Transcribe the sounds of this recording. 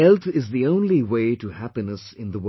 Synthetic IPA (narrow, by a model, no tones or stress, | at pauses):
ɛlt̪ʰɪzðiõʊ̃nliweɪʈuhæpinəsɪ̃nd̪əwə